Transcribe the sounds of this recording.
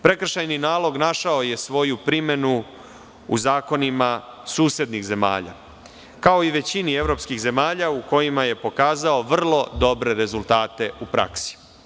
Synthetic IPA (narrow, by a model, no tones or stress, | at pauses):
pɾe̞kr̩ʃajninaːlˠo̞ɡnaʃao̞je̞sʋo̞jupɾime̞nu | ṵzaːko̞nimasuːsjed̪nixze̞ma̰ːʎa̰ | kao̞iʋe̞t͡ɕinie̞ʋɾo̞pskiɣze̞maːʎauko̞jimaje̞po̞kaːzao̞ʋr̩lˠo̞d̪o̞bɾe̞ɾe̞zult̪aːt̪e̞upɾa̰ksi̥